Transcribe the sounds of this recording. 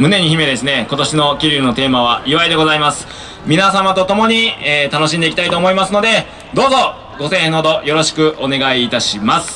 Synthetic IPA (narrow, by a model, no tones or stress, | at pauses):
mɯ̟ne̞ɲ̟içime̞d̪e̞sɨne̞ko̞t̪o̞ɕino̞kʲiɾʲiɾɯno̞t̪e̞ːmaβ̞aɯβaid̪e̞ɡo̞zaimasɨ̥ | mʲinasamat̪o̞t̪o̞mo̞ɲ̟it̪ano̞ɕ̬ĩnd̪e̞ikʲi̥t̪ait̪oːmo̞imasɨno̞d̪e̞ | d̪o̞ːzo̞ | ɡo̞sẽːhẽnːod̪o̞jo̞ɾo̞ɕi̥kɯ̟ʔo̞ne̞ɡaiːt̪aɕimasɨ̥